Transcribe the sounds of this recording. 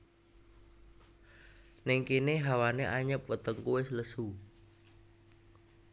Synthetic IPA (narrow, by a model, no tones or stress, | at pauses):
nɪŋkineɦawaneʔaɲəp̚wət̪əŋkuwɪsləsu